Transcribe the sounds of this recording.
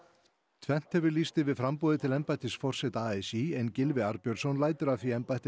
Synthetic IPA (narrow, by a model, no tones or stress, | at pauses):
t̪ʰvɛn̥t̪hɛvʏlist̪ɪvɪðfɾampɔːðɪt̪ʰɪlɛmpajt̪ɪsfɔr̥sɛt̪aaːɛsiɛncɪlvɪaɾpjœɾsɔnlaːjt̪ʏɾaθiɛmpajht̪ɪ